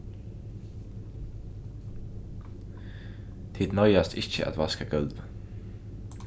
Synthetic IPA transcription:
t̪ʰɪd̪nœʏɑst̪ʰɪçə̰ʔɑ̰t̪ʋɑskəɡœld̪ʋ

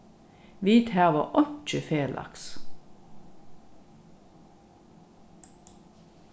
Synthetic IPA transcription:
ʋiːt̪hæːʁʋəʔɔnt͡ʃəfeːlʔɑ̰ks

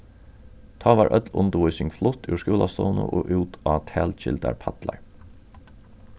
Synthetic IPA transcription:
t̪ʰɑːʋɑːɹʔœt̪lʊnt̪əʋʊjsɪŋflʊt̪ʉʂkuːlast̪ɔːnə̰ʔoːʔʉːt̪ʰaːt̪ʰæːlt͡ʃɪ̰lt̪a̰ɹpʰat̪la̰ɹ

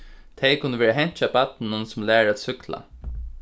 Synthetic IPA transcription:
t̪ʰejkʰʊnːəʋeːɾaɦɛɲ̥t͡ʃabat̪nnʊnsʊmlæːɹaːt̪sʏkla̰

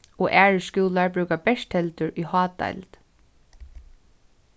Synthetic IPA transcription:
ɔːʔæːɹəskuːlaɹbɹʉːkabɛʂt̪hɛlt̪ʊɹihɑːt̪a̰jlt̪

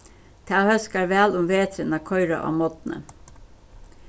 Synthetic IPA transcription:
t̪ʰaːhœskaɾʋæːlʊmʋeːt̪ʰɾənakʰɔʏɾa̰ʔɑ̰ːmɔt̪nə̰

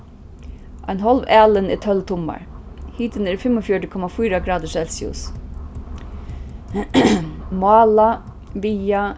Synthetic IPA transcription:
ʔa̰ɪnɦɔlʋæːlənɪ̰ːt̪ʰœlt̪ʰʊma̰ɹhiːt̪ənɛːɹfɪmɔfjɔʈəkʰɔmafyːɾaɡɾɑːd̪əsɛlsɪʊ̰s | mʊɑːla | ʋiːa

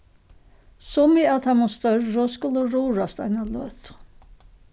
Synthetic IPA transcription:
sɔmiat̪hamust̪œrːɔskʊlːəɾuːɾast̪a̰ɪnalœt̪

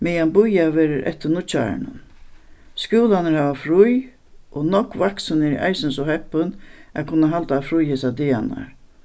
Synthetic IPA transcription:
mɛjambʊjaʋɛːɾɪɾʔɛ̰ht̪ːɪnʊt͡ʃa̰ɾɪ̰nʊ̰n | skuːlanəɾhaːʋafɾʊj | ʔɔnɔkʋaksənɛɾiʔa̰jsɪnsɔɦɛhpʊnæ̰kʰʊnːaɦalt̪aːfɾʊjhesad̪ɪana̰ɹ

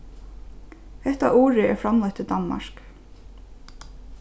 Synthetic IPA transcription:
hɛht̪a̰ʔuːɾɪɛɾfɾamlajt̪ɪd̪anma̰ɹ̥k

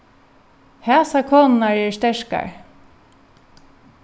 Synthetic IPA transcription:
hæːsakʰoːnnaɹɛɹst̪ɛʂka̰ɹ

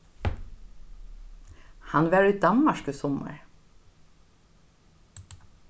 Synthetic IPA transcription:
hɑnʋæːɹid̪ɑmɑʃkʉsɔmə̰ɹ

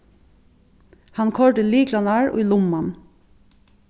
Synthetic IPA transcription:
hɑnkʰɔɹɖəliːklɑnɑːɹʔṵlʊmɑn

